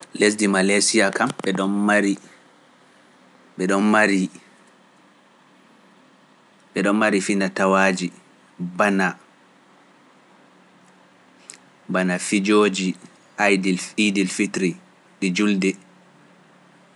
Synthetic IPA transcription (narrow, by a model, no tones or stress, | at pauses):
les̬dimalasiakamɓɛɗɔnmaɾi | ɓɛɗɔnmaɾi | ɓɛɗɔnmaɾifinatawaːd͡ʒi | bana | banafid͡ʒoːd͡ʒi | ʔajdilfidilfitɾi | ɗid͡ʒuldɛ